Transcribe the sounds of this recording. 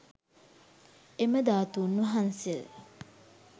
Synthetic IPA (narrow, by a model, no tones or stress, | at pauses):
eməd̪aːt̪unːuɦansel